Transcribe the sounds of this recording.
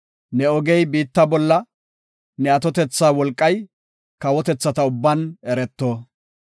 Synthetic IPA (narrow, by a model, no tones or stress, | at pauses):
nɛɔɡɛjbiːt̪ːɐbɔlːɐ | nɛɐt̪ɔt̪ɛt͡sːaːwɔlkʼːɐj | kɐwɔt̪ɛt͡sːɐt̪ɐʊbːɐnɛɾɛt̪ːoː